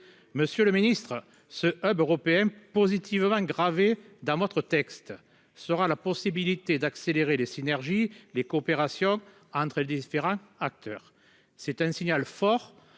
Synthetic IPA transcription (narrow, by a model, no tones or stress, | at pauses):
məsjøləminist̪χə | səʔœbøʁɔpeɛ̃pozit̪ʰivəmɑ̃ɡʁave | d̪ɑ̃vɔt̪χət̪ɛkst̪ | səʁalapɔsibilit̪ed̪akseleʁelesinɛʁʒilekoːpeʁasjɔ̃ | ɑ̃nt̪χəled̪ifeʁɑ̃ak̚t̪œʁ | sɛt̪ɛ̃siɲalfɔʁ